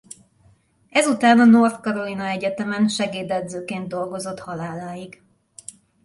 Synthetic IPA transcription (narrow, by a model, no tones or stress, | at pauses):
ɛzut̪aːnɒno̞rt̪kɒɾo̞linɒɛɟɛt̪ɛmɛnʃɛɡeːd̪ɛd̪zøːkeːnd̪d̪o̞lɡo̞zo̞t̪hɒlaːlaːjiɡ